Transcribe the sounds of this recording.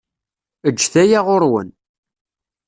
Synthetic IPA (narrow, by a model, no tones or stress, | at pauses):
əd͡ʒːθæjaʁoɾwə̰n